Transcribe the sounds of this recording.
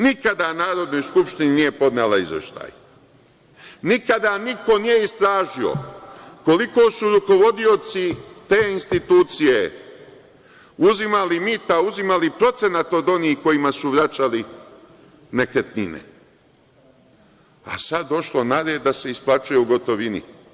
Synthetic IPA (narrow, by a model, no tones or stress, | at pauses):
nikad̪anaːɾo̞d̪no̞jskupʃt̪ininije̞po̞d̪nelˠaizʋḛʃt̪a̰ːj | nikad̪aniko̞nijeist̪ɾaːʒio̰ko̞liko̞ːsuɾuko̞ʋo̞d̪io̞t̪sit̪e̞ːinst̪it̪uːt̪sije̞ | uzimalimit̪auzimalipɾo̞t̪se̞nat̪o̞d̪o̞niːhko̞jimasuʋɾat͡ʃali | nekɾet̪ninḛ | a̰sad̪ːo̞ʃlo̞naɾed̪ase̞isplˠat͡ʃuje̞uɡo̞t̪o̞ʋinḭ